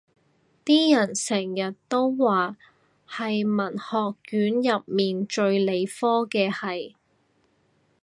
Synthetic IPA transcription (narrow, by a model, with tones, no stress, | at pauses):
t̪iː˥jɐ˨˩nsɛː˨˩ŋjɐ˨t̚t̪o˥wwaː˨ | hɐ˨jmɐ˨˩nhɔː˨kːyː˨˥njɐ˨p̚miː˨nt͡ʃɵ˧ɥle˨˧jfɔː˥kɛː˧hɐ˨j